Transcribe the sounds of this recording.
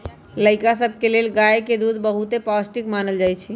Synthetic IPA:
ləɪkasəbʱkelelɡajeked̪ud̪bəɦut̪epɔsʈikmanəld͡ʒajt͡ʃʰi

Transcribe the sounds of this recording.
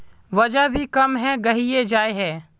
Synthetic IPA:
ʋəd͡ʒabʱiːkɐmɦɛːɡɐɦied͡ʒaːeɦɛː

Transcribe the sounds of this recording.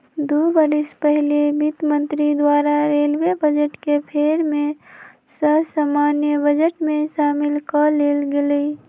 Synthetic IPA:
d̪ubəɾispəɦilebit̪mə̃nt̪ɾid̪waɾaɾelwebəd͡ʒeʈkepʰeɾmẽ | səbsamanjəbəd͡ʒeʈmeʃamilkəlelɡeləi

